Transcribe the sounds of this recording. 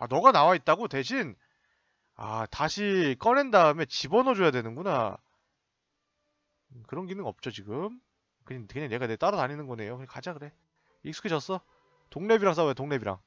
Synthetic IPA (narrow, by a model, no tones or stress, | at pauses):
a̰nʌɡanawait̚t͈aɡote̞ɕ̬ʰin | a̰taɕʰik͈ʌne̞ndaɯme̞t͡ɕibʌnʌd͡ʑojadwe̞nɯnɡuna | kɯɾʌnɡinɯnʌp̚t͡ɕ͈ot͡ɕiɡɯm | kɯɲaŋkɯɲaŋne̞ɡanet͈aɾʌtaɲinɯnɡʌne̞jokɯakad͡ʑakɯɾe̞ | iks͈u̥kʰeɕʌs͈ʌ | toŋne̞biɾaŋs̬͈aojotoŋne̞biɾa̰ŋ